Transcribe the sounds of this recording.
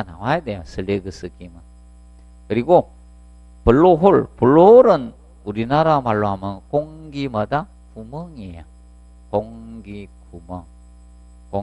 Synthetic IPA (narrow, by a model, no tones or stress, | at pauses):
ana̰wajd̪ejasɯleɡɯsɯkima | kɯɾiɡo | pɯlːoɦolpɯlːoɾɯn | uɾinaɾamalːoamɯnkɔŋɡimad̪a | pʰumɯŋeja | kɔŋɡikʰuma | kɔ